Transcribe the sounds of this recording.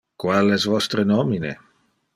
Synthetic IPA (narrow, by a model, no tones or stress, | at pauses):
kwalɛzvɔst̪ɾenɔminḛ